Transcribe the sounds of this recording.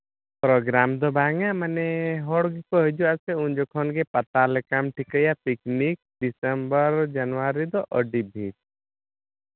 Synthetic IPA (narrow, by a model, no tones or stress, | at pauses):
pɾɔɡɾamd̪ɔbaŋamanɛɦɔɽɡɛkɔɦəd͡ʒuasɛund͡ʒɔkʰɔnɡepat̪alɛkamʈʰikəjapiknik̚ɖisəmbəɾd͡ʒanaɾid̪ɔʔəɖibʱit